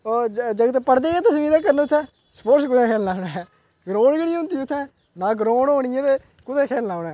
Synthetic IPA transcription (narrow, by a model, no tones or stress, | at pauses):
od͡ʒəɡət̪pəɽd̪eːɛːt̪əsmĩːd̪aːkəɾneʊt̪ʰːɛ̃ː | sə̥poːʈskʊd̪ɛ̃ːkʰɛːllaːʊɽɛː | ɡɾõːɳd͡ʒeːɽiɦʊ̃nd̪iːʊt̪ʰːɛ̃ː | nãːɡɾoːɽoːɳɪjãːd̪eː | kʊd̪ɛ̃ːkʰɛːlnaːʊnɛ̃ː